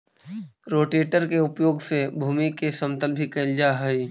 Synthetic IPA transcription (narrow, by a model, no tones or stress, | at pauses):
ɾoːʈeːʈəɾkeʊpjoːɡsebʱuːmikesəmt̪əlbʱikəld͡ʒaɦəi